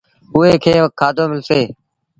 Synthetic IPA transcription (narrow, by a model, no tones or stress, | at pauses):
ɦʊeːkʰeːʋəkkʰːaːd̪ʱoːmɪlseː